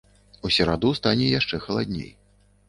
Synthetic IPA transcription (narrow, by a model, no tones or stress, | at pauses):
usʲɛɾad̪ust̪anʲɛjaʂt͡ʂɛxɐlˠad̪ʲnʲḛj